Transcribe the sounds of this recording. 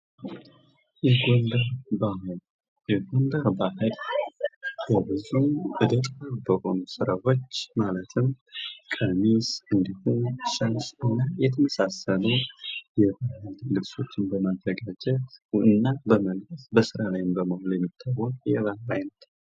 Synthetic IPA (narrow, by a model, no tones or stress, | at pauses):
jɛɡond̪əɾbahɨl | jɛɡo̞nd̪əɾbahɨl | jəbɨzuʔɨd̪ət̪ʼabəho̞nusɨɾawo̞t͡ʃːmalət̪ʰɨm | kʼəmisɨnd̪ihumʃansʼɨnːajɛt̪ʰəməsasələwjɛbahɨlːɨβso̞t͡ʃːɨnbəmazːəɡad͡ʒɛt̪ɨnːabəməlləsbəsɨɾalajɪmbəməholjɛmːit̪ʰːawːɔkʼjɛβahɾajnət̪